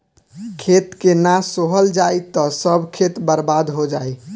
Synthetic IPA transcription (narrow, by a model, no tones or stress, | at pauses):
kʰet̪kenasoɦəld͡ʒajt̪ɔsəbʱkʰet̪bəɾbad̪ɦod͡ʒaj